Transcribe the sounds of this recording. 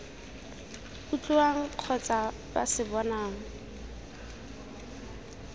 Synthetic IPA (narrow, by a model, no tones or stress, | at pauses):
but͡ɬʼuaŋ̩q͡χʰɔt͡sʼa | basɪbɔnaːŋ̩